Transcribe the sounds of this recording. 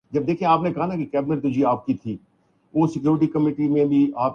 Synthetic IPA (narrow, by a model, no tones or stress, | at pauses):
d͡ʒɐb̚d̪eːkʰiẽaːpnẽkɐɦanakekɛːbɪnəɾt̪ʊd͡ʒiaːp̚kit̪ʰiː | ʋoːsɪkjuːɾɪʈikəmeːʈimẽbʱiʔaːp